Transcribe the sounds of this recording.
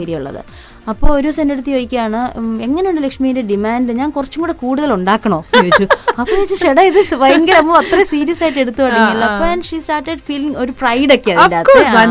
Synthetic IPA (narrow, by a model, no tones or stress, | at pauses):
ɐɾijuɭːɐ̰ðɨ̰ | ɐpːo̞ːoɾusɐnːeɽut̪ːijojikʲːɐjaːɳɨe̞ŋːɐnejunɖelɐkʂmijindeɖimaːndɨɲaːnkurɐt͡ɕːumŋɡuːɽekuːɽuðɐluɳɖaːkːɐɳoːjoʋit͡ɕːuɐpːoːjeit͡ɕːɨʂeɽɐiðɨsʋɐjɐŋɡɐlɐmːɐɐt̪rɐsiːɾijɐsaːjiʈːe̞ɽut̪ːuɐɽɐŋːilːɐɐpːoːɐnʂistaːrʈeɖfiːliŋo̞ɾuprɐjɖokːeɐndɐɐto